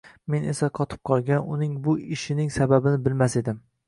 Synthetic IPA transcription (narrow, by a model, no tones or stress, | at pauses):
me̞nesaqʰɒt̪ʰɪ̥p̚qʰɒlˠɡʲanʊnɪŋbʊɪʃɪnɪŋsababɪnɪbɪlmased̪ɪm